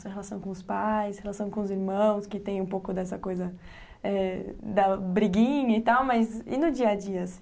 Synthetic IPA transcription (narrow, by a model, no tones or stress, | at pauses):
sɐhelasɐ̃w̃kõʊspajshelasɐ̃w̃kõʊziɾmɐ̃w̃skɪt̪ẽj̃ũpowkʊd̪ɛsɐkojzɐ | ɛd̪ɐbɾiɡĩɲɐɪt̪awmɐzɪ̰nʊd͡ʒiɐd͡ʒiɐsĩ̥